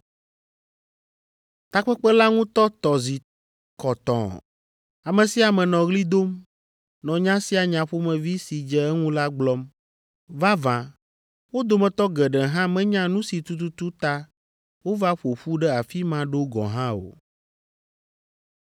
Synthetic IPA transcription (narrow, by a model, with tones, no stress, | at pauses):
t̪a˦k͡pɛ˦k͡pɛ˦la˦ŋũ˦t̪ɔ˦t̪ɔ˨zi˨ | kɔ˨t̪ɔ̰̃˨ | a˨mɛ̃˨si˦a˨mɛ̃˨nɔ̃˨ɣli˦d̪o˦m | nɔ̃˨ɲã˦si˦a˨ɲã˨ɸo˦mɛ̃˨vi˦si˨d͡ʒɛ˦ɛ˦ŋũ˦la˦ɡ͡blɔ˦m | va˦vã˨ | wo˦d̪o˨mɛ̃˨t̪ɔ˦ɡɛ˨ɖɛ˨ɦã˦mɛ̃˦ɲã˦nũ˦si˨t̪u˦t̪u˦u˦t̪a˦ | wo˦va˦ɸo˨ɸu˦ɖɛ˦a˨fi˦mã˦ɖo˦ɡɔ̰˨ɦã˦o̰˨